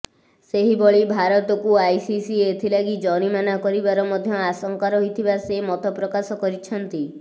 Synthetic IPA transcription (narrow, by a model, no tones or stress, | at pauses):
seɦiboɭibʱaɾɔt̪ɔkuajsisiet̪ʰilaɡid͡ʒɔɽ̃imanakɔɾibaɾɔmɔd̪ʱjɔasɔŋkaɾɔɦit̪ʰibasemɔt̪ɔpɾɔkasɔkɔɾit͡ʃʰɔnt̪i